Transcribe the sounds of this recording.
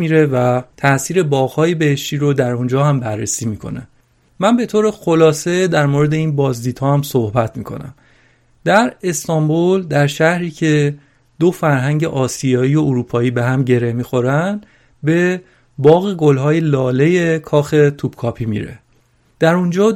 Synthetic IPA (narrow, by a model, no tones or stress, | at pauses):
miɾe̞væt̪ʰæsiːɾe̞bɒːɣhɒːjebe̞heʃt̪iːɾod̪æɾund͡ʒɒːhæmbærːesiːmiːkʰo̞̰ne | mænbe̞t̪ʰoːɾe̞xo̞lɒːse̞d̪æɾmoɾe̞d̪e̞iːnbɒːzd̪iːd̪̥hɒːhæmsohbæt̪ʰmiːkʰo̞̰næ̰m | d̪æɾe̞st̪ɒmbold̪æɾʃæhɾiːcʰe̞ | d̪̥ofæɾɦæɲɟeʔɒːsijɒːiːjooɾuːpʰɒːiːbe̞ɦæmɟe̞ɾe̞hmiːxo̞ɾænd̪ | be̞ | bɒːɣeɡolɦɒːje̞lɒːle̞je̞kʰɒːxe̞t̪ʰub̥kʰɒːpʰiːmḭɾe̞̰ | d̪̥æɾund͡ʒɒː